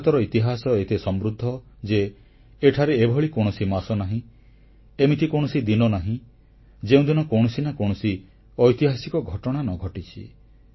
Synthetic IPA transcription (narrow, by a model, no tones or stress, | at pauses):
t̪ɔɾɔit̪iɦasɔet̪esɔmɾud̪ʱːɔ | d͡ʒeː | ʈʰaɾeebʱɔɭikoɽ̃ɔsimasɔnaɦĩ | emit̪ʰikoɽ̃ɔsid̪inɔnaɦĩ | d͡ʒeũd̪inɔkow̃ɔsinakow̃ɔsi | ɔjt̪iɦasikɔɡʱɔʈɔɽ̃anɔɡʱɔʈit͡ʃʰḭ